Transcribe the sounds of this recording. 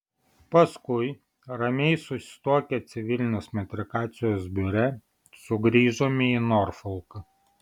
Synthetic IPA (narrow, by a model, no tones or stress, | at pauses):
pɐskʊɪ | ɾɐmʲɛɪsʊsʲɪ̥t̪uɔkʲɛt̪sʲɪʋʲɪlʲɪnʲoːsmʲɛt̪ʲɾʲɪkɑːt̪sʲɪjoːs̬bʲʊɾʲɛ | sʊɡɾʲiːʒoːmʲɪinɔɾfɔlˠkɐ